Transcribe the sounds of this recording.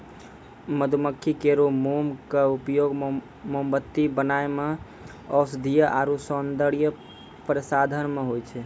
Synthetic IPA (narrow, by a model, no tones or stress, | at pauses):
məd̪ʱuməkʰːikeɾomumkeupjoɡ | mombət̪ːibənaeme | ɔsd̪ʱijəʔaɾusɔnd̪əɽijə | pɾəsad̪ʱənmeɦojt͡ʃʰɛ